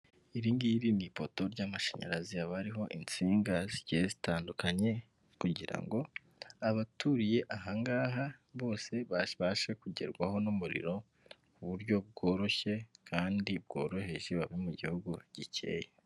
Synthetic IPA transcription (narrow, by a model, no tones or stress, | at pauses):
iɾiːŋɡiɾinipo̞to̞ɾɟaːmaʃeɲa̰ɾaziaβaɾiɦo̞ʔint͡siːŋɡaziɟezi̥taːndukʰaɲe̞ | kuɟiɾa̰ŋɡo̞ | aβatuɾije̞ʔaɦaŋɡaːɦaβo̞ːse̞βaβaʃe̞kuɟe̞̰ɾɡwaho̞nomuɾḭɾo̞ | uβuɾɟo̞b̚ɡo̞ːɾo̞çe̞kʰaːndibɡo̞̰ːɾo̞he̞ʒe̞βaβimuɟihuɡuɟ̥icʰe̞̰ːje